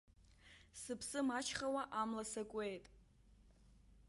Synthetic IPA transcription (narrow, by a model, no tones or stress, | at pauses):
sɨpʰsɨmat͡ʃʰχawaʔamlasakʷʼe̞jtʼ